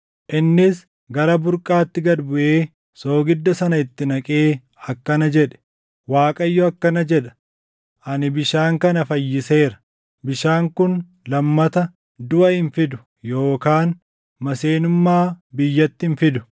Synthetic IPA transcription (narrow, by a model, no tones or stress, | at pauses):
ʔɪnːɪs | ɡɐɾɐbʊɾkʼaːt̪ːɪɡɐd̪bʊʔeː | so̞ːɡɪd̪ːɐsɐnɐɪt̪ːɪnɐkʼeː | ɐkːɐnɐd͡ʒɛᶑɛ̥ | waːkʼɐjːɔɐkːɐnɐd͡ʒɛᶑɐ̥ | ʔɐnɪbɪʃaːŋkɐnɐfɐjːɪse̞ːɾɐ̥ | bɪʃaːŋkʊn | lɐmːɐt̪ɐ | d̪ʊʔɐhɪnfɪd̪ʊ̥ | jo̞ːkaːn | mɐseːnʊmːaːbɪjːɐt̪ːɪɪnfɪd̪ʊ̥